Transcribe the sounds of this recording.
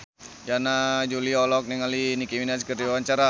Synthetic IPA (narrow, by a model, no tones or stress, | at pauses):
janad͡ʒuliɔlɔk̚niŋalinikiminaskərdiwewaɲt͡ʃaɾa